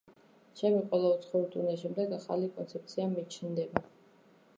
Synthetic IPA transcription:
ʃɛmiqʼwɛlˠaut̪sʰχɔuɾt̪ʼunɛʃ̬ɛmd̪ɛɡaχa̰likʼɔnt̪sʰɛp̚t̪sʰiamit͡ʃʰnd̪ɛba

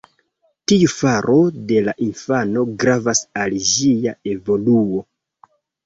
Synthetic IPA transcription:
tiufaɾʔo̞de̞laʔinfano̞ɡɾavasalʒiae̞vo̞luo̞

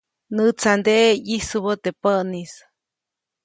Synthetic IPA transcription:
nɨt͡sand̪eʔjisuβət̪epənis

